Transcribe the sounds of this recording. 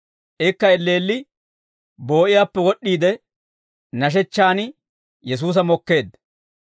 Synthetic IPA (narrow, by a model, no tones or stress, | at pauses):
ʔɪkːɐɛlːe̞ːlːɪ | bo̞ːʔɪjaːpːɛwɔɗːiːd̪ɛ | nɐʃ̬ɛt͡ʃːaːn | jɛs̬uːs̬ɐmɔkːe̞ːd̪